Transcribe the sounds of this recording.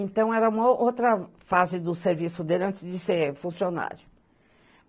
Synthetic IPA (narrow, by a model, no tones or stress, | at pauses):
ẽnt̪ɐ̃w̃ɛɾɐũmɐʔowt̪ɾɐfazɪd̪ʊseɾvisʊd̪elʲɐ̃nt͡ʃ̪ɪzd͡ʒɪseɾfũsiona̰ɾjʊ